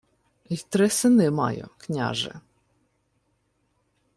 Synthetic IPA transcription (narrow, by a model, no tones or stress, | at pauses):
it̪ɾɪsɪnɪmɑ̰jʊ̰knʲa̰ʒɪ̰